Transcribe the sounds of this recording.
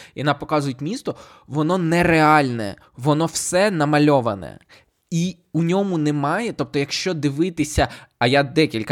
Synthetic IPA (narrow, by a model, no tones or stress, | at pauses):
jɔnapɔkɑzʊjʊtʲmʲist̪ɔ | ʋɔnɔnɛreɑlʲnɛ̰ | ʋɔnɔwsɛnɐmɐlʲɔʋɐ̰nɛ̰ | i | unʲɔmʊnɛmɑjɛt̪ɔp̚t̪ɔjɐkʃt͡ʃɔd̪ɪʋɪt̪ɪsʲɐɐjad̪ɛkʲilʲkɐ